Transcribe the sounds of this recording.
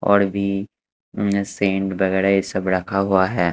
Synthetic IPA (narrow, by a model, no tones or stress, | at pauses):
ɔ̰ːɾbʱi | sẽːɳɖbɐɣɛːɾaɪsɐbɾakʰaɦuaɦɛː